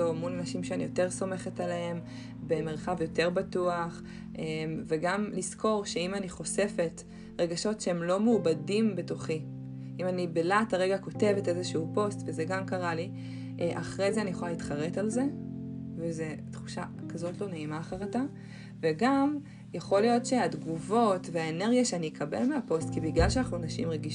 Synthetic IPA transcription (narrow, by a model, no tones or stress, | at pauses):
omulanaʃimʃeanḭjo̞te̞ʁso̞me̞χe̞taleem | be̞me̞ʁχavjo̞te̞ʁbatuaχ | ʔemve̞ɡamliskʰo̞ʁʃeimaniχo̞se̞fe̞t | ʁe̞ɡaʃo̞tʃeemlo̞muːbadimbetuχi | imanibelataʁe̞ɡako̞te̞vete̞zeʃuupo̞stvezeɡamkaʁali | ʔʔaχʁe̞jzeanijoχoalitχaʁe̞talze̞vezetχu̥ʃa | kazo̞tlo̞neimaːχaʁata | ve̞ɡam | jaχo̞lijo̞tʃeadɡuvo̞tveaene̞ʁɡjaʃeanijekabḛlmeapo̞st̚kibiɡlalʃeanaχnuanaʃḭmʁeɡiʃ